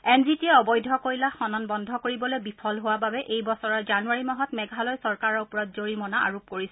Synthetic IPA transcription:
ɛnzitiɛɔbɔjdʱɔkoɹilaxɔnɔnbɔndʱɔkoɹibɔlojbipʰɔlɦowababɛʔejbɔsɔɹɔzanuaɹimaɦɔtmɛɡʱalɔjsɔɹkaɹɔɹupɔɹɔt̚zoɹimɔnaa̰ɹop̚koɹisɛ

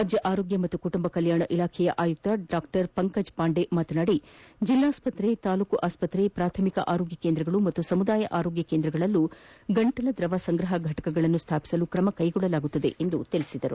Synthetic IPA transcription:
ɐd͡ʒjɐʔaːɾoːɡjɐmɐt̪ːukuʈumbɐkɐljaːɳɐʔilaːkʰɛjɐʔaːjuk̚t̪ɐɖaːkʈɐɾpɐŋkɐd͡ʒpaːɳɖe̞maːt̪ɐnaːɽid͡ʒilːaːspɐt̪ɾet̪aːluːkuʔaːspɐt̪ɾepɾaːt̪ʰɐmikɐ̰ʔaːɾo̞ːɡjɐkeːnd̪ɾɐɡɐɭumɐt̪ːusɐmud̪aːjɐʔaːɾo̞ːɡjɐkeːnd̪ɾɐɡɐɭɐlːuɡɐɳʈɐlɐd̪ɾɐʋasɐŋɡɾɐɦɐɡʱɐʈɐ̥kɐɡɐɭɐnːust̪ʰaːpi̥sɐlukɾɐmɐkɐjɡɔɭːɐlaːɡut̪ːɐd̪ḛʔend̪ut̪ilisid̪ɐɾu

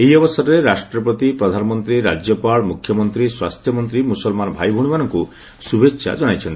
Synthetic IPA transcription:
ejɔbɔsɔɾɔɾeɾasʈɾɔpɾɔt̪ipɾɔd̪ʱanɔmɔnt̪ɾiɾad͡ʒjɔpaɭɔmukʰːjɔmɔnt̪ɾiswast̪ʰjɔmɔnt̪ɾimusɔlmanɔbʱajbʱuɽ̃umanɔŋku | subʱeʃʰa̰d͡ʒɔɽ̃ajt͡ʃʰɔnt̪i

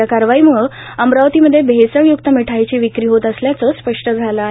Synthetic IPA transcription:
akaɾʋaiməɭ | əmɾaʋt̪iməd̪ʱːjebʱesəɳjuk̚t̪əmiʈʰajt͡ɕiʋikɾiːɦot̪əsljat͡səspəʂʈəd͡zʱala

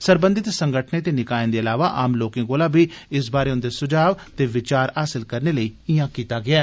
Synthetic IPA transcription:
səɾbənd̪ɪt̪səŋɡəʈʰneːt̪eːnɪkaːẽːnd̪eːəlaːʋaːʔaːmloːkẽːkoːlaːbʱiːɪsbaːɾeːʊ̃nd̪eːsʊd͡ʒaːʋt̪eːʋɪt͡ʃaːɾaːsɪlkəɾneːləiːɪjãːkiːt̪aːɡɪaː

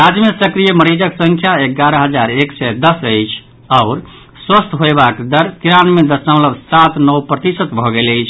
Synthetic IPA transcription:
ɾad͡ʒjəmesəkɾijəməɾid͡ʒəksə̃ŋkʰjaeɡaɾəɦəd͡ʒaɾeksɛd̪əsəjt͡ʃʰ | aʊɾ | swəst̪ʰɦoebakd̪əɾkiɾanmed̪əsə̃mləbsat̪nəwpɾət̪isət̪bʱɔɡeləjt͡ʃʰ

